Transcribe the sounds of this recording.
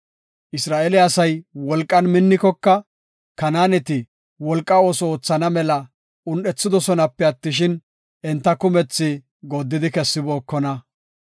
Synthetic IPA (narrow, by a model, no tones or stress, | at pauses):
ʔɪsɾaːʔɛlɪɐsɐjwɔlkʼːɐnmɪnːɪkɔkːɐ | kɐnaːnɛt̪ɪ | wɔlkʼːɐo̞ːsɔoːt͡sːɐnɐmɛlɐ | ʊnɗɛt͡sːɪd̪ɔsɔnɐpːɛɐt̪ːɪʃ̬ɪn | ɛnt̪ːɐkʊmɛt͡sːɪ | ɡod̪ːɪd̪ɪkɛsːɪbo̞ːkːɔnɐ